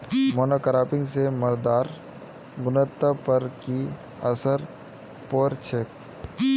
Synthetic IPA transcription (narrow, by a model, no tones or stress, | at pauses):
moːnoːkɾaːpɪ̃ŋɡsemɐɾd̪aːɾ | ɡʊnət̪ːəpɐɾki | ɐsəɾ | poːɾt͡ʃʰek̚